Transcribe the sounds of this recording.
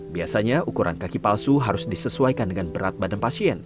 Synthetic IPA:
biasaɲaʔukuɾʔa̰nkakipalsuɦaɾʊsdisəsuajkandəŋanbəɾat̪̚badanpasiɛn

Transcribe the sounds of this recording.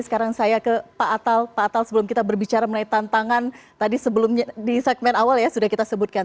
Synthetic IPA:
sə̥kaɾaŋsajakəpaʔːt̪alpaːt̪alsəbəlʊmkit̪abərbit͡ʃaɾamənait̪ant̪aŋant̪adisəbəlʊmɲadisɛk̪̚mɛnawaljasudahkit̪asəbʊt̪̚kan

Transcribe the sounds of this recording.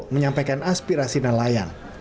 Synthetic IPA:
məɲampajkanʔaspiɾasinalajan

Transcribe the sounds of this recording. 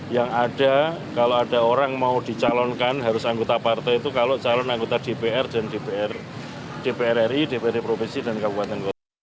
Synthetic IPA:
jaŋaɖ̥a̤kaloaɖ̥aoɾaŋmaud̪̥i̤t͡ʃalɔnkanɦaɾʊsaŋɡot̪apart̪ɛit̪ukalot͡ʃalɔnaŋɡot̪ad̥epeɛrd̥andepeɛr | d̥epeɛɾɛrid̥epeɛripɾofinsid̥a̤nkabupat̪ənɡot̪

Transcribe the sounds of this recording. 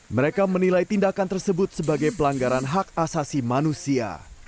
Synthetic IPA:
məɾekamənilajt̪indakant̪ərsəbʊt̪̚səbaɡajpəlaŋɡaɾanɦak̚asasimanusia̰

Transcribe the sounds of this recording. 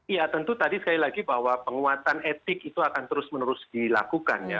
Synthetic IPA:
jat̪ənt̪ut̪adisəkalilaɡibahwapəŋuat̪anet̪ɪkit̪uakant̪əɾʊsmənəɾʊsdila̰kuka̰nja̰

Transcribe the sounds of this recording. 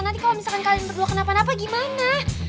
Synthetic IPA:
nant̪ikalamisalkankalianbərduakənapanap̬aɡimana

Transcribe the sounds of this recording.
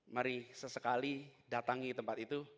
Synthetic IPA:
maɾisəsəkalidat̪aŋit̪əmpat̪it̪u

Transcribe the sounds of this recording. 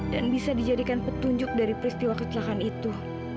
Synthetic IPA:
danbisadid͡ʒadikanpət̪uɲd͡ʒʊk̚daɾipəɾist̪iwakət̪əlaɦanit̪u

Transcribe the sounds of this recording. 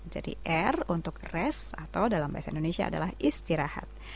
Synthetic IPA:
d͡ʒa̰dḭʔɛrunt̪ʊkrɛsat̪awdalambaasaindonesia̰ːdalahist̪iɾaha̰t̪̚

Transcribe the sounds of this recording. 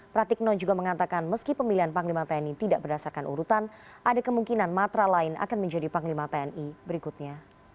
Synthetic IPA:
pɾat̪ik̚nɔd͡ʒuɡaməŋat̪akanməskipəmiliɦanpaŋlimat̪eɛnit̪idaʔbərdasarkanʔṵɾut̪anʔadakəmuŋkinanmat̪ɾalaɪnʔa̰kanməɲd͡ʒadipaŋlimat̪eɛnibəɾikut̪̚ɲa

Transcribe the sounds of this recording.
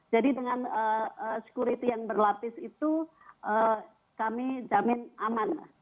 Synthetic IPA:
d͡ʒadidəŋanəəsə̥kuɾit̪ijaŋbərlat̪ɪsit̪u | ʔə | kamid͡ʒamɪnaman

